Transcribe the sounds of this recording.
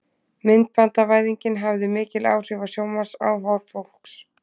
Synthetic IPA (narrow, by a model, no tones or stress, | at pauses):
mɪnt̪̚pant̪avaːjðiɲcɪnɦavðɪmɪːcɪla̰ːwr̥ɪvasjoːwmḁsa̰wɦawɾfowl̥ks